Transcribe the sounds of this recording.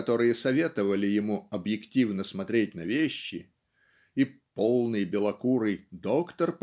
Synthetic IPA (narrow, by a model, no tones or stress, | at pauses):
ɐt̪o̞ɾɨjəsɐvʲe̞t̪əvəlʲɪjɪmuɐbjɪktʲivnəsmɐt̪ɾʲet̚ʲnɐvʲeɕːɪ | ipolˠnɨjbʲɪlˠɐkuɾɨjd̪o̞kt̪ərp